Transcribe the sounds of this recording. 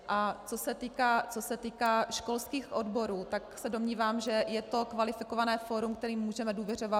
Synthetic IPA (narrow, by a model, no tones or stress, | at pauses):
ʔat͡so̞sɛt̪iːkaːt͡sosɛt̪iːkaːʃko̞lskiːxʔo̞dbo̞ɾuːt̪aksɛdo̞mɲiːvaːmʒɛjɛt̪o̞kvalɪfɪkovanɛːfoːɾumkt̪ɛɾiːmːuːʒɛmɛduːvjɛr̝o̞va